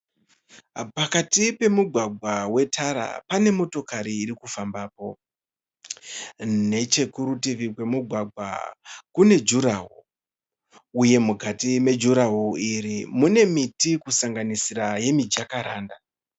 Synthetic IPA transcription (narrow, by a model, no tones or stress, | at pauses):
pakatipe̞muɡʱwaɡʱwawe̞tʰaɾa̰pane̞mo̞to̞kaɾiːɾikufambaːpo̞ | ne̞t͡ʃe̞kuɾutiʋikwe̞muɡʱwaɡʱwa̰kune̞d͡ʒuɾaɦṵ | uje̞mukatime̞d͡ʒuɾaɦuiɾimune̞mitikusaŋɡanisiɾaje̞mid͡ʒjakaɾaːnda